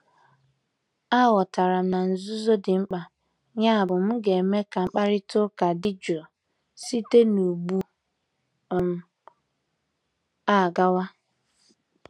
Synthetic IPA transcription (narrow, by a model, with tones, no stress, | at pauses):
a˦˨wɔ˨ta˨ɾa˨m̩˨na˨n̩˨zʊ˦zo˦dɪ˨ŋ͡m̩˦k͡pa˨ | ɲa˦a˨bʊ˨m̩˦ɡe˨me˦ka˨ŋ͡m̩˦k͡pa˦ɾɪ˦tʊ˦ka˨dɪ˦d͡ʒɾɔ˨ | si˦te˦nu˨bu˦˨ | m̩˦ | a˦˨ɡa˦wa˦